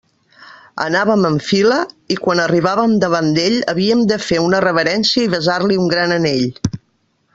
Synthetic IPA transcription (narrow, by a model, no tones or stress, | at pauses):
ə̰naβəməɱfiləikwanəriβ̞aβəmd̪əβand̪eʎəβiəmd̪əfeunərəβəɾɛnsiəiβəzarliuŋɡɾanəneʎ